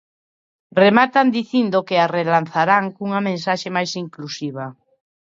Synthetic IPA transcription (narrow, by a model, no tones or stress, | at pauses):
remat̪and̪iθind̪okearelan̟θaɾaŋkuŋamẽnsaʃemajsiŋklusiβ̞a